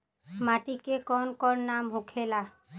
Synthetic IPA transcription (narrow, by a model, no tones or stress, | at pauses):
maʈikekɔnkɔnːamɦũkʰela